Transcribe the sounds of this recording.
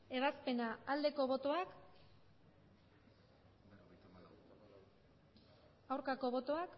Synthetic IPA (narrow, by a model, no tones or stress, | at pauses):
e̞β̞aspe̞naːld̪e̞ko̞βo̞t̪oak | awɾkako̞βo̞t̪o̞ak